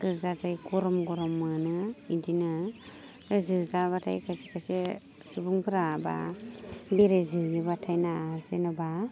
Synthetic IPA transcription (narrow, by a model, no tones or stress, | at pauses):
kɯzazajɡɔɾɔmɡɔɾɔmːɯnɯidinɯ | ɾzɯzaβatʰa̰jkʰasikʰase | subuŋpʰɯɾaba̰ | beɾezɯjɯbatʰajnazenaba